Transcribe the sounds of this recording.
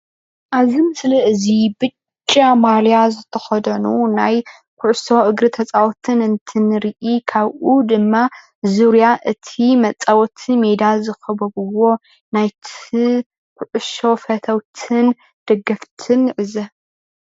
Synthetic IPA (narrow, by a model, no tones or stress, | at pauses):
ʔaβzimɨsliʔɨzibɨt͡ʃt͡ʃʼːamaljazɨt̪ʰɐxɐd̪ɐnunaj | kʷʰʊʕso̞ʔɨɡɾɨt̪ʰɐt͡sʼawt̪ʰɨnɨnt̪ʰɨnɨɾiʔikʰaβʔud̪ɨmːa | zuɾijaʔɨt̪ʰimɐt͡sʼːawɔt̪ʰimed̪azɨxɐbɐβɨwo̞ | najt̪ʰi | kʷʰʊʕʊʃo̞fɐt̪ʰɐwt̪ʰɨn | d̪̥ɐɡːɐft̪ʰɨnʕɨzɐ